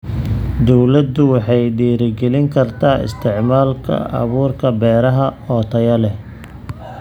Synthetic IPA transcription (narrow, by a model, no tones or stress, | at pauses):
d̪ɔwlɐd̪ʊwɑħɑjɖiːɾɪɡɛlɪŋkʰɐrt̪ʰaːɪ̰st̪ʰɪʕmaːlkʰɐ̰ʔɐ̰βuːrkʰɐbɛːɾɐɦɐɔt̪ʰɐjɐlɛ